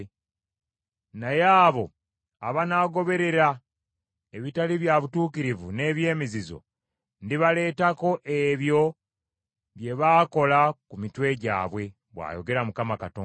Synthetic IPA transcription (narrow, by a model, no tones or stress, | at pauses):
najaːβo̞ | aβanaːɡo̞βe̞ɾe̞ɾa | eβitaliβjaβutuːkiɾivune̞ːβje̞ːmizizo̞̰ | ndiβale̞ːtako̞ʔeβjo̞ | βje̞βaːko̞lakumitwe̞ɟa̰ːβwe̞ | βwa̰ːjo̞ɡe̞ɾamukamakatoː